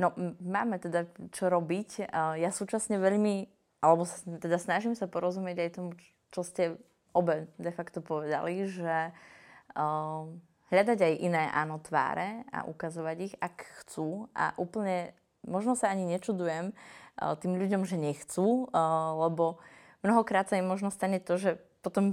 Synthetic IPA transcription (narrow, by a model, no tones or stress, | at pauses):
nɔmaːmɛt̪ɛd̪at͡ʃɔɾɔbicjasuːt͡ʃasɲɛʋɛʎmi | alɛbɔst̪ɛd̪asnaʒimsapɔɾɔzumɪɛɟajt̪ɔmu | t͡ʃɔscɛ | ʔɔbɛd̪ɛfakt̪ɔpɔʋɛd̪a̰liʒɛ | ɦʎad̪aɟajʔinɛːʔa̰ːnɔt̪ʋa̰ːɾɛa̰ʔṵkazɔʋaɟiɣakxt͡suːʔa̰ʔuːpl̩ɲɛ | mɔʒnɔsaaɲiɲɛt͡ʃud̪ujɛmt̪iːmʎuɟɔmʒɛɲɛxt͡suːlɛbɔ | mnɔɦɔkɾaːt̪saimmɔʒnɔst̪aɲɛt̪ɔʒɛpɔt̪ɔm